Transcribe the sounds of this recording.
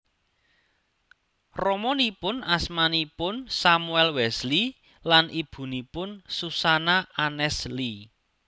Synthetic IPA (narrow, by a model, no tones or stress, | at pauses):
rɔmɔnipʊnasmanipʊnsamuɛlwɛsli | lanʔib̥ṳnipʊnsusanaanɛsli